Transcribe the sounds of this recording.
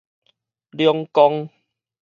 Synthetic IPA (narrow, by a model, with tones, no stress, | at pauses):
ljɔ˧ŋkɔ˧ŋ